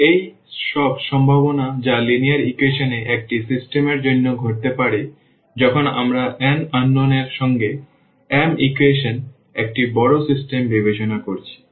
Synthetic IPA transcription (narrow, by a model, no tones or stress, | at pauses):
ej | ʃɔbʃɔmbʱaβonad͡ʑalinijaɾikweʃoneʔek̚ʈisisʈemeɾd͡ʑonːoɡʱoʈ̚t̪epaɽe | d͡ʑɔkʰona̰mɾaʔɛnanːoneɾʃɔŋɡe | ɛmikweʃon | ek̚ʈibɔɽosisʈembibet͡ɕonakoɾt͡ɕʰi̥